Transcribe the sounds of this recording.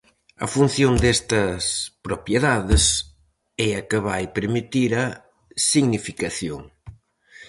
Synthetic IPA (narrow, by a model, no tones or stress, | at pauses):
ɐ̰fun̟θjond̪ɛst̪ɐspɾopjeðaðɪs | ɛɐkəβajpeɾmit̪iɾɐ | siɣnifikɐθjo̰ŋ